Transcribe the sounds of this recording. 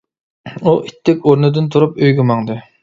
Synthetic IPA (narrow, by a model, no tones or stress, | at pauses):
uʔit̪ʰːɛkʲoɾnɨd̪ɨnt̪ʰuɾupøjɡʲymɑŋd̪ɨ